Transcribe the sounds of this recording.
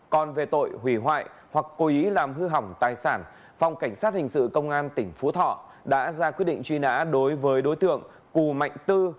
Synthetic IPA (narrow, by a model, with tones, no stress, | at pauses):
kɔ˨˩nve˨˩t̪o̰˧˨jhwi˧˩ɦwa̰ː˧˨j | hwa˨˩kːo˨˦ʔi˨˦laː˨˩mɦɨ˧ɦa˨˩wŋ͡mt̪aː˨˩jsaː˧˩n | fa˨˩wŋ͡mka˧˩ŋ̟saː˦˥t̚hï˨˩ŋ̟sɨ̰˧˨kə˧wŋ͡mʔaː˧nt̪ï˧˩ŋ̟fu˨˦t̪ʰɔ̰˧˨ | ɗa̰ː˧˥zaː˧kwi˦˥t̚ɗḭ˧˨ŋt͡ɕwi˧na̰ː˧˥ɗo˨˦jvəː˨˦jɗo˨˦jt̪ɨ̰˧˨əŋ | ku˨˩ma̰˧˨jŋ̟t̪ɨ˧